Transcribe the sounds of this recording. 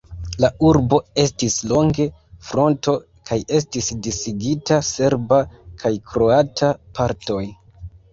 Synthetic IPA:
lauɾbo̞e̞stislo̞ŋɡe̞fɾo̞nto̞ | kʰaje̞s̬tisdisiɡitase̞ɾbakʰajkʰɾo̞atʰapʰaɾto̞j

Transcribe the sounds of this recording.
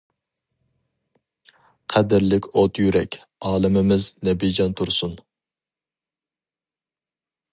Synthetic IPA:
qʰɛd̪ɪɾlɪkʲot̪ʰjyɾɛkʲ | ɑːlˠɨmɪmɪznɛbid͡ʒɑnt̪ʰuɾsun

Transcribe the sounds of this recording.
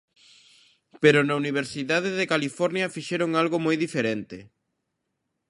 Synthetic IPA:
peɾʊnauniβ̞eɾsiðaðeðekalifɔɾnjɐfiʃeɾoŋalɣomojðifeɾent̪ɪ

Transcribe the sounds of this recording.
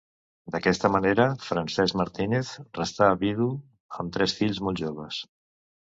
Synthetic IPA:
d̪əkɛst̪əməneɾəfɾənsɛzmaɾt̪ineθrəst̪aːβiðu | əmt̪ɾɛsfiʎzmolˠʒoβ̞əs

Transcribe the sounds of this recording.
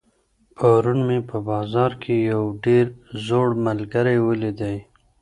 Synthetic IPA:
pʰaɾunmepəbɑzɑɾkʰejawɖeɾzoɽmalɡaɾajwəlid̪aj

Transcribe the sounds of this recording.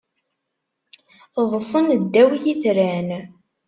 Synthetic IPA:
ðˤsˤənd̪ːæwijiθɾæn

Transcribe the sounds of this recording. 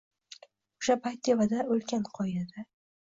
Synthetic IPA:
o̥ʃapʰajt̪̚ːevad̪aolkʲanqʰɒjad̪a

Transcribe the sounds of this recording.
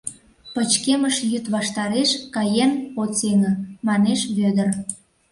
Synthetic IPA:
pət͡ɕkeməʃjyt̪βɑʃt̪ɑɾeʃkɑjenot͡seŋə̆mɑneʃβød̪ər

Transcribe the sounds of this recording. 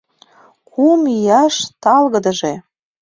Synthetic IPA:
kumijɑʃt̪ɑlɣə̆d̪əʒe

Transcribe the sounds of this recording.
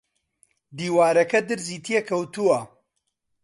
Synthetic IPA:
d̪iːwaːɾɐkɐd̪ɨɾziːt̪ʰjekʰɐwt̪uwɐ

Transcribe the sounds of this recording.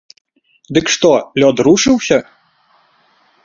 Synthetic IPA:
d̪ɨkʂt̪ɔlʲɔd̪ɾuʂɨwsʲɐ

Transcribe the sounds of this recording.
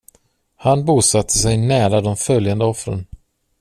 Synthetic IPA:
hanbuːsat̪ʰːəsɛjnæːɾad̪ɔmfœljand̪əɔfɾə̰n

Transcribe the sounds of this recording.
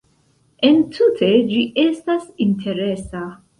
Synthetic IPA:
ʔɛ̃ntʰutʰed͡ʒiʔɛstasĩntʰeɾesa

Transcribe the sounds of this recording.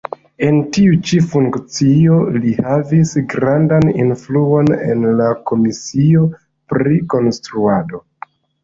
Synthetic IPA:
e̞ntiut͡ʃifuŋkt͡sio̞lihavisɡɾandanḭnfluo̞ne̞̰nlako̞misio̞ | pɾiko̞nstɾuado̞

